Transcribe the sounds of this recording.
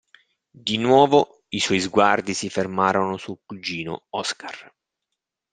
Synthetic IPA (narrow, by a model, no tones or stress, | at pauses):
d̪inwɔːvo | iswɔjzɡward̪isifermaːɾonosulkud͡ʒiːno̰ɔskar